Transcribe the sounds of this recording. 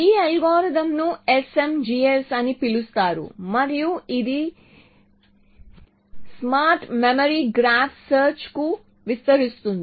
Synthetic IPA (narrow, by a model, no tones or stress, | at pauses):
iːɐjɡɔːɾɐd̪ɐmnuese̞md͡ʒiːesɐnipilust̪aːɾṵmɐɾijuid̪i | smaːɾʈmemɐɾiɡɾaːpʰsɐːɾt͡ʃku | ʋist̪ɐɾist̪und̪i